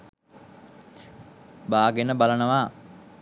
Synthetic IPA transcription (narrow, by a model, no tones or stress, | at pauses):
baːɡenəbalənəʋaː